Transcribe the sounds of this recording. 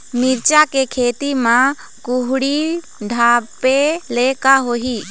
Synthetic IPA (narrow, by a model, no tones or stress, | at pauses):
mɪɾt͡ʃakekʰeːt̪imã | kuɦɽi | ɖʱaːpelekaɦoɦi